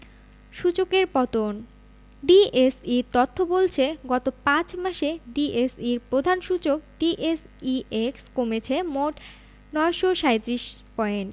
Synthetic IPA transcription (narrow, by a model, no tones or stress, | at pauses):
ʃut͡ɕokeɾpɔt̪on | ɖiesiɾt̪ɔt̪ʰːobolt͡ɕʰeɡɔt̪opãt͡ɕmaʃeɖiʔesiɾpɾod̪ʱanʃut͡ɕok̚ɖiʔes | iʔekskomet͡ɕʰemoʈ | nɔeʃoʃaet̪ɾiʃpɔen